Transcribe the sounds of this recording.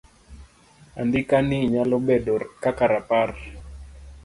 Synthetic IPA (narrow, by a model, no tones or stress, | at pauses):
a̰ndikaniɲalɔbɛdɔrkakaɾapar